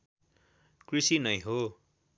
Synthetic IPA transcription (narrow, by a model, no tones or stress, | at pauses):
krisinʌjɦo